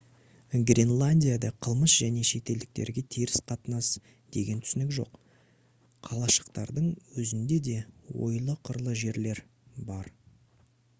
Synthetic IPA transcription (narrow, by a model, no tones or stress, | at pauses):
ɡrʲinlˠanʲdʲijad̪ɑqʰəlˠməsʒ̥æne̞ʃe̞t̪e̞ld̪ɪk̚t̪e̞̰ɾɡʲe̞t̪ʰiɾɪsqʰɑt̪nɑs | d̪̥e̞ɡʲe̞nt̪ʰʏ̥sɪnɪkʒo̞̰qʰ | ɑlˠɑʃə̥qt̪ɑɾd̪əɴwɵzɪnd̪e̞d̪e̞wo̞̰jlˠəqʰəɾlˠəʒe̞ɾle̞ɾ | bɑɾ